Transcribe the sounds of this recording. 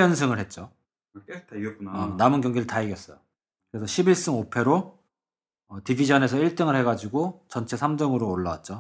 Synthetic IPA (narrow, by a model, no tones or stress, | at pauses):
ʌnsʰɯŋɯɭɦe̞t̚t͡ɕ͈o | namɯnkjʌŋɡiɾɯɭtaiɡjʌs͈ʌjo | kɯɾe̞sʰʌɕʰibiɭs͈ɯŋopʰe̞ɾo | ʌtibid͡ʑʌne̞sʰʌiɭt͈ɯŋɯɭhe̞ɡad͡ʑiɡot͡ɕʌnt͡ɕʰe̞sʰamdɯŋɯɾoːɭːawa̰t̚t͡ɕ͈o